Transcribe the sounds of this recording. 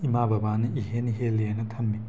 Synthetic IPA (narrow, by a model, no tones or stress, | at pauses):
imabɐbanɐʔiɦeniɦeleenɐtʰɐmːi